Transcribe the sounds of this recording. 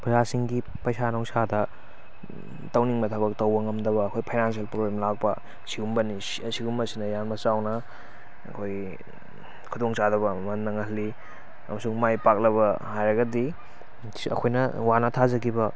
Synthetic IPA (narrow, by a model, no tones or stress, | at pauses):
pʰzasiŋɡi | pɐjsanowsadɐ | tɐwniŋmɐtʰabɐk̚tɐwɐŋɐmdɐβɐːkʰojpʰajnans̬ielpɾoblemlak̚pɐ̰ | siɡumbɐni | siɡumbɐsinɐjanmɐsawnɐ | ɐ̰kʰoj | kʰudoŋsadɐbɐmɐnːɐŋɐɦli | ɐ̰mɐsuŋmajpak̚lɐβɐhajɾɐɡɐdi | ɐ̰kʰojnɐwanɐtʰazɐkibɐ